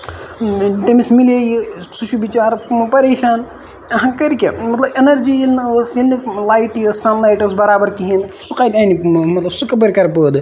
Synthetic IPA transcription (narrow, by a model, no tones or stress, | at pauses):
ʈemismileːjisut͡ʃʰubit͡ʃaːɾpɐɾeːʃaːn | ɐɦãkɐɾikʲemɐt̪lɐbenɐɾd͡ʒilnəːsilnilaːjʈəssɐnlaːjʈɐsbɐɾaːbɐɾkiɦinsuqaːd̪aːnimɐt̪lɐbsukɐbɐɾkɐɾpəːd̪ɨ